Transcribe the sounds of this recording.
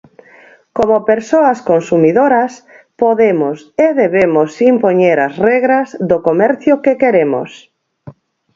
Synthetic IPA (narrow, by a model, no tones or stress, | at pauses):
komopeɾsoɐskonsumiðoɾas | poðemoseðeβemosimpoɲeɾazrɛɣɾazðokomɛɾθjʊkekeɾemo̰s